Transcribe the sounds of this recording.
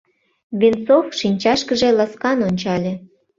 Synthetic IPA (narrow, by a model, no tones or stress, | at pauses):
βʲint͡sofʃinʲt͡ɕɑʃkəʒĕlɑskɑnonʲt͡ɕɑlʲĕ